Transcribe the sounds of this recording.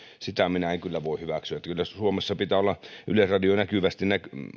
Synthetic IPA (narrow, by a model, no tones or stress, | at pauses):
sit̪æminæeŋkylːæʋoˑihyʋæksyæet̪ːkylːæsuomesːɑpit̪æːolːɑʔylesrɑdionækyʋæst̪innæk